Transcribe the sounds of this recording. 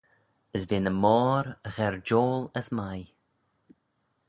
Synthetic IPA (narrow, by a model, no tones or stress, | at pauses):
əsvɪːnəmɔːɾəɣɛɹd͡ʒoːləsmaj